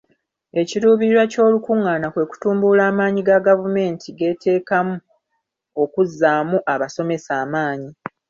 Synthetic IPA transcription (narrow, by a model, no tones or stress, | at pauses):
e̞ciɾuːβiɾiɾwaco̞ːlukuŋːaːnakwe̞ku̥tuːmbulaːmaːɲiɡaɡavume̞ːntʰiɡe̞ːtʰe̞ːkamu | o̞kuzːaːmuʔaβaso̞me̞saːmaːɲi